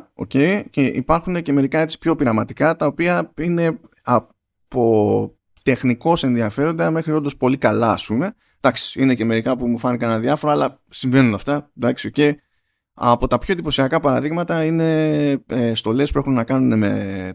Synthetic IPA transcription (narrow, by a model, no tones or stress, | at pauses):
o̞̰ce̞ice̞ʔḭpɐɾxune̞ce̞me̞ɾikɐe̞tt͡si̥pço̞piɾɐmɐt̪ikɐt̪ɐopiɐine̞ | ɐ | po̞ | t̪e̞xniko̞se̞nðiɐfe̞ɾo̞nd̪ɐme̞xɾio̞nd̪o̞spo̞likɐlɐɐ̰spume̞ | d̪̥ɐksi̥ine̞ce̞me̞ɾikɐpumufɐnikɐneɐðiɐfo̞ɾɐːlɐ | siɱve̞nunɐft̪ɐd̪ɐksio̞ce̞i | ɐ̰po̞t̪ɐpço̞ed̪ipo̞siɐkɐpɐɾɐðiɣmɐt̪ɐine̞est̪o̞le̞spue̞xunenɐkɐnune̞me̞̰